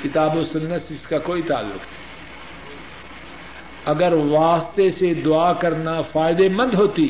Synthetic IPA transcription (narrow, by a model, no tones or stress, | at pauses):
kɪt̪aːbosʊnːəsɪskakoːit̪a̰ːlːʊ̰kt̪ʰɛ̥ː | ɐɡəɾʋaːst̪esed̪ʊaːkɐɾnafaːɪd̪emɐ̃nd̪ɦoːt̪i